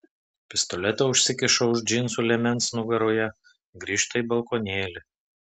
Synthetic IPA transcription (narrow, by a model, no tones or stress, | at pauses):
pʲɪst̪ɔlʲɛt̪ʲɛʊʃʲsʲɪkʲɪʃɔʊʒʲd͡ʒʲɪnsuːlʲɛmʲɛnsnʊɡɐɾoːjɛ | ɡɾʲiːʃt̪ɐiˑbɐlˠkonʲeːlʲɪ